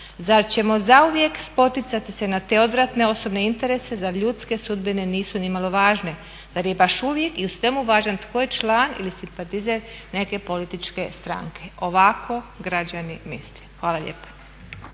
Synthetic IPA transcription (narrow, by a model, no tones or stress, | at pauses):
zaɾt͡ɕe̞mo̞zauʋjekspo̞t̪it̪sat̪ise̞nat̪e̞o̞d̪ʋɾat̪ne̞o̞so̞bne̞int̪eɾe̞se̞zaʎut̪ske̞sud̪bine̞niːsunimalˠo̞ʋaːʒne̞ | z̥aɾje̞baʃuʋje̞kiusʋe̞muʋaːʒant̪kojet͡ʃlaːnḭlisimpat̪izeɾne̞ke̞po̞lit̪it͡ʃke̞st̪ɾa̰ŋkʰe̞o̞ʋakʰo̞ɡɾad͡ʑanimḭslexʋaːlˠaʎḛːpḁ